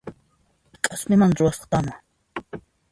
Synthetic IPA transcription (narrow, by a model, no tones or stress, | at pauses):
kʼasmɪmanɾʊwasɑ̥χt̪ama